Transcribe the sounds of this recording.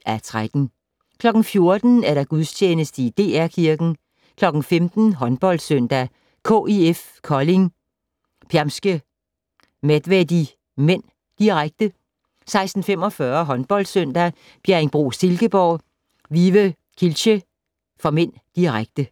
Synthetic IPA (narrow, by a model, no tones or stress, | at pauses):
æt͡sʰʁad̥n̩ | kʰlɒ̽ɡ̥n̩fjo̝ɐd̥n̩æɐɾɑ̈ɡ̥uðˠst͡ɕʰeːnəsd̥əid̥e̝̰ːæɐ̰kʰiɐɡ̥n̩ | kʰlɒ̽ɡ̥n̩femd̥n̩ɦɒ̽nb̥ɒ̽l̰d̥søn̰d̥æ | kʰo̰eef | kʰɒle̝ŋ | pʰæɐmsɡ̥ə | med̥ʋedi | men̰ | d̥iʁaɡ̥̚d̥ə | sɑ̈ɪsd̥n̩fem̰ɒ̽fɶɐɦɒ̽nb̥ɒ̽l̰d̥søn̰d̥æ | b̥eɐenb̥ʁṵːse̝lɡ̥əb̥ɒʊ̰ | ʋiʋə | kʰilɕə | fɒ̽men̰d̥iʁaɡ̥̚d̥ə